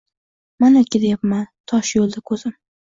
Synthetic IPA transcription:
manakʲɪd̪ajapmant̪ʰɒʃjolˠd̪akʰɵz̥ɪm

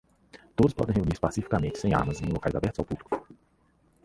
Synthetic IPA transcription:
t̪od̪ʊspɔ̰d̪ẽheuniɾspasifi̥kamẽnt͡ʃɪ̥sẽj̃a̰mɐzẽũlokajzabɛɾt̪ʊz̥awpublikʊ̥

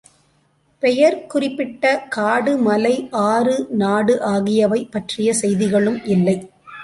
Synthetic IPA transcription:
pɛjɐɾkʊrɪpːɪʈːɐkaːɽɯmɐlɐɪʔaːrɯnaːɽɯʔaːɣɪjɐʋɐɪpːɐʈrɪjɐsɛjðɪɣɐɭɯmʔɪlːɐɪ

